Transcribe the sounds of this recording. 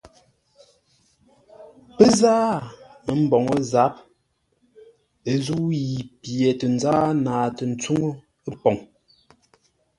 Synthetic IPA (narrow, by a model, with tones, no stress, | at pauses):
pə˦zaː˦mə˨m̩˦bɔ˨ŋə˦za˨˦p̚ | e˨zu˦ji˨pjɛ˨tə˨n˨zaː˦naː˨tə˨n̩˨t͡su˦ŋo˦ | ə˦pɔ˨ŋ